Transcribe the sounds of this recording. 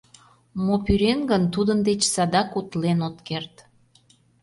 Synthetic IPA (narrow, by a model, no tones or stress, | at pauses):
mopyɾenɡənt̪ud̪ənd̪et͡ɕsɑd̪ɑkut̪lenot̪kert̪